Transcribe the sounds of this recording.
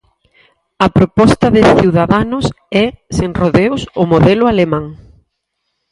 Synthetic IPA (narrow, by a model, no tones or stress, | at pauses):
ɐpɾopɔst̪ɐðɪθiwðaðanʊs | ɛseŋroðeʊsʊmoðɛlʊalemãŋ